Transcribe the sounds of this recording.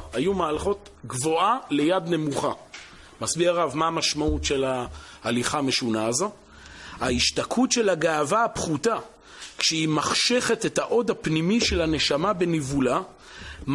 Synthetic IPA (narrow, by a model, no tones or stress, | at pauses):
ajumaːlaχo̞t̪ɡvo̞ale̞jad̪nemuχa | masbiaʁavmaːmaʃmautʃe̞laːliχaːme̞ʃunaːzo | aiʃtakʰutʃe̞laɡaːvaapχuta | kʃeimaχʃeχete̞thaʔo̞d̪hapnimiʃe̞lane̞ʃamabenivula | m